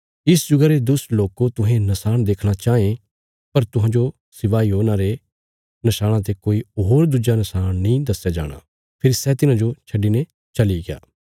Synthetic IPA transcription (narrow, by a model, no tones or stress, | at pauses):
ɪsd͡ʒʊɡaɾed̪ʊsloːkot̪ʊɦẽnɐsaːñd̪eːkʰɽ̃at͡ʃaːẽ | pɐɾt̪ʊ̃ɦãːd͡ʒo | sɪʋaːiɦoːnaɾe | nɐsaːɽ̃ãt̪̬ekoːiɦoːɾd̪ud͡ʒanɐsaːñnĩd̪ɐsːad͡ʒa̰ːɽ̃a̰ | pʰɪɾisɛt̪ɪnãd͡ʒot͡ʃʰɐɖːinẽ | t͡ʃɐliɡɪja̰ː